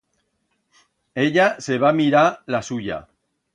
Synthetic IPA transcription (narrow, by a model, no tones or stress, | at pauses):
eʎase̞βamiɾalasuʎa̰